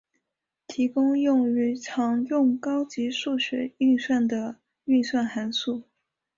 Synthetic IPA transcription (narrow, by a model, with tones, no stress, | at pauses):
t̪ʰi˧˥kʊ˥ŋjʊ˥˩ŋy˧˥ʈ͡ʂʰɑ˧˥ŋjʊ˥˩ŋkɑ˥ʊt͡ɕi˧˥ʂu˥˩ɕɥɛ̰˧˥y˥˧ŋswa˥˩nd̪ə˩ | y˥˧swa˥˩nxa˧˥nsu˥˩